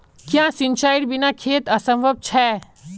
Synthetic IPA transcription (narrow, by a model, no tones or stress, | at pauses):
kjãːsɪ̃nt͡ʃaːɪʈbɪnakʰeːt̪ɐsə̃mbʱəb̚t͡ʃʰɛː